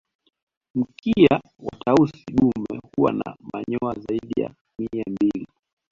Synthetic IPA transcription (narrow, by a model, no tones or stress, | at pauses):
m̩kʰia | watausiɗumɛhuwa̰namaɲɔazaiɗija̰ | miambili